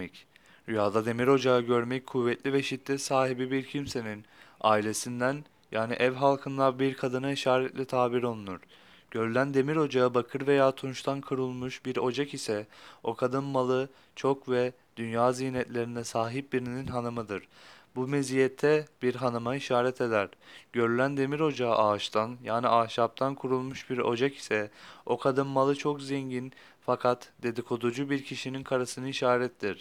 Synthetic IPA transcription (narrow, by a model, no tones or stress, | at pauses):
ɛc | yjaːd̪ad̪e̞miɾo̞d͡ʒaɯɟø̞ɾmɛckʰuvːɛt̪lʲivɛʃit̪ːʲɛsaːɦibibiɾcʰimse̞nina̰ːilʲe̞sind̪æn | jaːniʔɛvɦalˠkʰɯnlˠaɾbiɾkʰad̪ɯnaiʃaːɾɛt̪lʲɛt̪ʰaːbiɾo̞lˠunuɾ̥ | ɟ̥ø̞ɾylʲænd̪e̞miɾo̞d͡ʒaɯbakʰɯɾve̞jaːt̪ʰunʃt̪ʰankʰɯɾɯlˠmuʃbiɾo̞d͡ʒakisɛo̞kʰad̪ɯnmalˠɯ | t͡ʃʰo̞kvɛ | d̪̥ynjaːzijnɛt̪lʲe̞ɾinɛsaːɦip̚biɾininɦanɯmɯd̪ɯɾ̥bumezijɛt̪ʰːɛbiɾɦanɯmaiʃaːɾɛt̪ʰe̞d̪æɾɟøɾylʲænd̪e̞miɾo̞d͡ʒa̰ʔaːʃt̪ʰanjaːniaːʃap̚t̪ʰankʰuɾulˠmuʃbiɾo̞d͡ʒaki̥sɛo̞kʰad̪ɯmːalˠɯt͡ʃʰo̞kzɛɲɟin | fakʰat̪d̪e̞d̪ikʰo̞d̪ud͡ʒubiɾcʰiʃininkʰaɾasɯnɯiʃaːɾɛt̪ʰd̪iɾ̥